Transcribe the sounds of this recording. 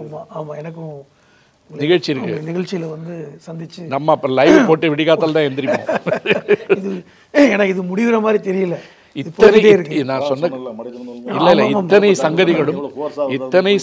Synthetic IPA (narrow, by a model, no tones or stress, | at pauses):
maaːmaːɛnɐk̬ːʊ̃ | nɪɣɐɻt͡ʃːɪɪɾɯkːɯ̰nɪɣɐɭt͡ʃːɪjɪlʋɐnd̪ɯsɐnd̪ɪt͡ʃːɯnɐmːɐːpːɐɾlɐɪʋpoːʈːɯʋɪɽɪɣaːt̪ːaːlt̪ãːɛnd̪ɪɾɪpːõ̰ː | ɪðɯ | eːnaːɪðɯmʊɽɪʋɾɐmaːd̪ɾit̪ɛɾɪjɯlːɐ | ɪt̪ːɐnɐeːɪɾɯkːnãːsɔnːɐ | ɪlːɐɪlːɐɪt̪ːɐnɐɪsɐŋɡɐðɪɣɐɭɯmɪt̪ːɐnɐɪ